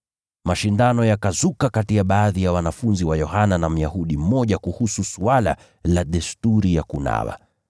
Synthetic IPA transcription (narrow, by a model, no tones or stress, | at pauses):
maʃindanɔjakazukakatijaɓaːðijawanafunziwajɔhananam̩jahuɗim̩mɔʄakuhususuala̰ | laɗɛstuɾijakuna̰wa̰